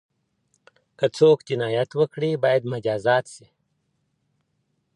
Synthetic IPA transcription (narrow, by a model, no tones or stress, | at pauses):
kɐt͡sʰoːkd͡ʑinaːjɐt̪wɐkɽiːbaːjd̪mɐd͡ʑaːzaːt̪si